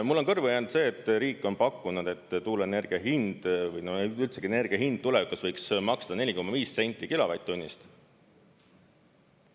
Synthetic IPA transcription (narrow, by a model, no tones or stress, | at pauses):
mulːo̞nkɤrvejɑnud̪se̞ːt̪ːˑɾiːkːˑo̞npɑkːunud̪̥e̞t̪ːˑt̪uːlɑene̞rɡ̥iɑɦind̪̥vɤjnoylt̪se̞ɡ̥iene̞rɡ̥iɑɦind̪̥̚t̪ulɛvikːusvɤjksmɑksd̪̥ɑne̞lʲiko̞mːɑviːsːe̞nʲt̪ːˑikilovɑ̰jt̪ːunʲːist̪